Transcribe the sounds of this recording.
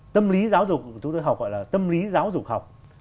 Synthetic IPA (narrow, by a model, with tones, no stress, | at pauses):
t̪ə˧mli˨˦zaː˨˦wzʊ˨˩k͡p̚t͡ɕʊ˨˦ŋ͡mt̪o˧jɦa˨˩k͡p̚ɣɔ̰˧˨jlaː˨˩t̪ə˧mli˨˦zaː˨˦wzʊ˨˩k̚ha˨˩wk͡p̚